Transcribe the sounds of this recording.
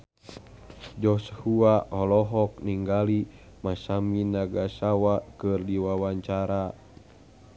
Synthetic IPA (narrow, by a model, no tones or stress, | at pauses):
d͡ʒɔshuahɔlɔɦɔk̚niŋɡali | masaminaɡasawakɨrdiwawaɲt͡ʃaɾa